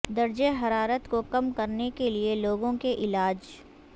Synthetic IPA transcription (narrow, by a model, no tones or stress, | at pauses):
d̪ɐɾd͡ʒeɦɐɾaːɾət̪kokɐmkɐɾnekelieloːɡõkeʔɪlaːd͡ʒ